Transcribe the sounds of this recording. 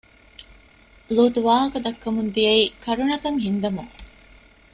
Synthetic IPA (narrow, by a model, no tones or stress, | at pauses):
luːt̪uʋaːɦɐkɐd̪ɐkːɐmund̪ijɐiːkɐɾuɳɐk̪ɐŋɦind̪ɐmuŋ